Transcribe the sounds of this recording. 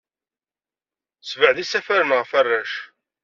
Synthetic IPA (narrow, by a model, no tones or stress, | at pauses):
svəʕðisæfæɾənʁəfærːæʃ